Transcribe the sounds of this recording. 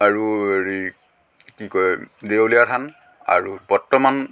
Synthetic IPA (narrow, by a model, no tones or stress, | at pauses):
aɹueɹi | kikɔjdewlijatʰan | a̰ɹubɔtːɔman